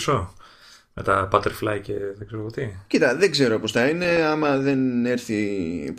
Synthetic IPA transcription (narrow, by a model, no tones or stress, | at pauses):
so | me̞t̪ɐpɐt̪eɾflɐjceðeɡ̥zeɾopot̪icit̪ɐðeɡze̞ɾo̞po̞sθɐine̞ɐmɐðe̞ne̞ɾθi